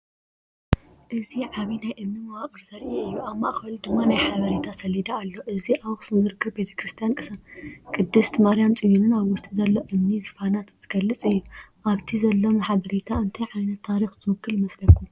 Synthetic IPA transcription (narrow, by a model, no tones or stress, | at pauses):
ʔɨziʕaβinajʔɨmnimɐwaχʼɨɾzɐɾʔeɨjːuaβmaʔxɐld̪ɨmːanajħaβɐɾet̪ʰasɐlid̪aːlːo̞ʔɨziawxsɨnzɨɾɨkʰːɨβbe̞t̪ʰɐ̥kɾɨst̪ʰijankʼɨsɐkʼɨd̪ːɨst̪maɾijamt͡sʼɨjunɨnaβwʊst̪ʼizɐlːo̞ʔɨmnizɨfanat̪z̥ɨɡ̥ɐlːɨt͡sʼɨjːuʔaβt̪ʰizɐlːo̞mɨħaβɐɾet̪ʰaɨnt̪ʰɐjʕajnɐt̪ʰːaɾixt̪ʰɨwɨkʰːɨljmɐslɐkʰːu